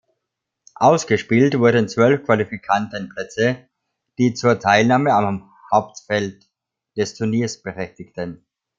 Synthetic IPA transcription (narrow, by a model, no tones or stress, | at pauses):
ʔaʊsɡ̥əʃpiːltv̥ʊɐdənt͡sv̥œlfkv̥alifikʰantənpl̥ɛt͡sə | d̥iːt͡suːɐtʰaɪlnaːməam | haʊp̚tfɛlt | d̥ɛstʰʊɐniːɐsb̥əʁɛçtɪktʰən